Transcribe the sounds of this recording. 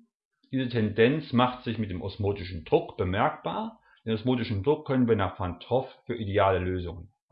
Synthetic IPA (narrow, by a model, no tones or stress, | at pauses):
d̥iːzətʰɛndɛnt͡smaχtz̥ɪçmɪt̚d̥eːmʔɔsmoːtɪʃn̩dʁʊkb̥əmɛɐkb̥aːɐ | d̥eːnɔsmoːtɪʃn̩dʁʊkʰːœnənviːɐnaːχfantʰɔffyːɐʔideaːləløːzʊŋən